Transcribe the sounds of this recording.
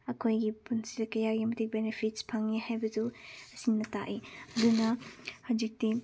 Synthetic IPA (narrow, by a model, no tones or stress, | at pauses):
ɐkʰojɡipunsiɾɐkɐjaɡimɐtʰik̚benepʰitspʰaŋihajbɐzuɐsinːɐtaʔiɐdunɐhawd͡ʒik̚ti